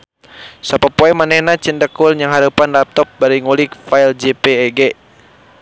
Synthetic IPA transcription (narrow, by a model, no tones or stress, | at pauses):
sapapɔɛmanɛhnat͡ʃəndəkulɲaŋɦaɾupanlap̚t̪ɔp̚baɾiŋulikfaild͡ʒepeːɡɛ